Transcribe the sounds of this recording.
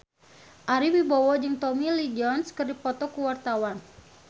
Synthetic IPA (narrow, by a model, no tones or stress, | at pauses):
ʔaɾibibɔwɔd͡ʒɨŋt̪ɔmilid͡ʒɔnskərdipɔt̪ɔkuwart̪awan